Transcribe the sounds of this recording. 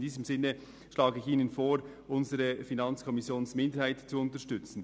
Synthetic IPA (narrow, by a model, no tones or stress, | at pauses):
d̥iːzəmzɪnːə | ʃlaːɡəɪçiːnənfoːɾʔʊnzəʁəfinɑnt͡skʰɔmɪsjoːnsmɪndəɾhaɪtt͡suʊntəʃtʏt͡sn̩